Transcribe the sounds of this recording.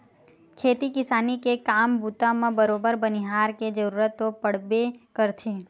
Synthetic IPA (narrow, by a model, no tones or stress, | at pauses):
kʰeːt̪ikɪsaːnikekaːmbuːt̪ãmẽbəɾoːbəɾbəniɦaːɾked͡ʒəɾuːɾət̪ːopəɽ̤bekəɾt̪ʰi